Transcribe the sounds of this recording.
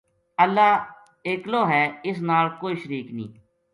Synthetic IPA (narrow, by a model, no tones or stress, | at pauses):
əlːaː | eːkloːɦɛːɪs̬naːlkoːiːʃəɾiːknḭ̃ː